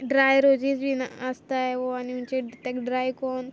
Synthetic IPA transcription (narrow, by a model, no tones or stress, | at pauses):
ɖɾaːjɾoːd͡ʒisbʱinast̪aeoaniʊnt͡ʃet̪ɛkɖɾaːjkoːn